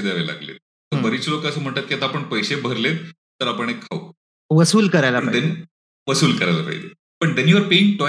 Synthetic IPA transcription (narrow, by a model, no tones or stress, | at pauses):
d̪aʋela̰ɡlḛt̪̚ | əʋəɾiːt͡slokasəm̤əɳt̪at̪̚kiat̪aːpəɳpəjsebʱəɾlet̪ | t̪ːəɾapəɳ̃ekʰːau | ʋəsuːlkəɾajlaɳd̪ɛn | ʋəsuːlkəɾajla̰fa̰jd̪e | pəɳd̪ɛnjuʋəɾpeŋ̚ʈɔ